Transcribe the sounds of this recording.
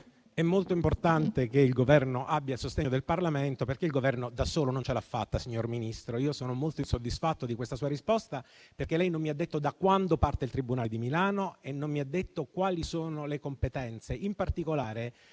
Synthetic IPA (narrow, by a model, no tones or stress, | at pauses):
ɛmːolt̪oimport̪ant̪ekeilɡovɛrnoʔabːjasost̪eɲod̪elparlament̪operkeilɡovɛrnod̪asoːlonont͡ʃelafːa̰t̪ːasiɲːorminist̪ɾoiːosoːnomolt̪oinsod̪ːisfat̪ːod̪ikwest̪asuːaɾispost̪aperkelɛjnomːiad̪ːet̪ːod̪akwand̪opart̪eilt̪ɾibunaːld̪imilaːnoenːomːiad̪ːet̪ːokwaːlisoːnolekompet̪ɛnt̪seimpart̪ikolaːɾe